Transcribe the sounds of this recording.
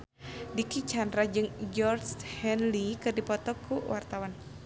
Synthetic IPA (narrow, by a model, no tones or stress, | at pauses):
dikit͡ʃandɾad͡ʒɨŋd͡ʒɔrshɛnlikɨrdipɔt̪ɔkuwart̪awan